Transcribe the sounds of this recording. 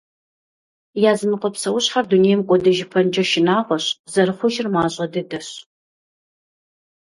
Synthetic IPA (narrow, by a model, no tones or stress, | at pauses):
jaːzɨmɨqʷɔpsɐwʊɕħarduneːjmkʷʼɔdɐʒɪpʰɐnd͡ʒɐʃɪnaːʁʷɔɕzɐrɨχʷɔʒɪrmaːɕʼɐdɐdɐɕ